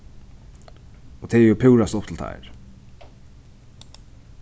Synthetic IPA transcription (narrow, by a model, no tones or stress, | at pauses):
ɔt̪ʰɛːɛɾjʊpʰɪwɹast̪ɔpʰt̪ʰɪlt̪ʰa̰jɹ